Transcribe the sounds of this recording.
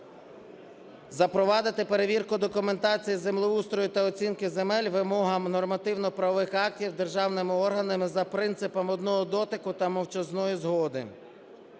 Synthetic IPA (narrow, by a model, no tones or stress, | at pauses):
zɐpɾɔʋɑd̪ɪt̪ɪpe̞ɾe̞ʋʲirkʊd̪ɔkʊment̪ɑt͡sʲijizemlˠʊust̪ɾɔjʊt̪ɐɔt͡sʲinkɪzemɛlʲʋɪmɔɦɐmnɔrmɐt̪ɪwnɔpɾɐʋɔʋɪxɑk̚tʲiwd̪erʒɑwnɪmɪɔrɦɐnɐmɪzɐpɾɪnt̪sɪpɐmɔd̪nɔɦɔd̪ɔt̪ɪkʊt̪ɐmɔwt͡ʃɐznɔjizɦɔd̪ɪ̰